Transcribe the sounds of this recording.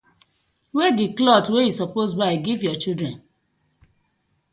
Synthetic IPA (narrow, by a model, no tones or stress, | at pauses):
wɛdiklɔtwejisɔposbaɪɡivjɔt͡ʃidɹɛ̃n